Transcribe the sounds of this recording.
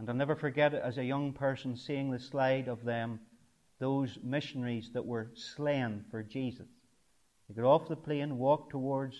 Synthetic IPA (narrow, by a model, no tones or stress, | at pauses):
ə̃nanɛvə˞fə˞ɡɛɾɪə̰zɨjʌ̃ŋpʰɜ˞sə̃n̩siɪ̃ŋðɨslaɪɾʌvðə̃m | ðozmɪʃənəɹizðəʔwə˞slæ̃nfə˞d͡ʒizəs | ðeɪɡɔɾɔfðəpʰl̥ẽnwɔk̚tʰəwɔɹdz̥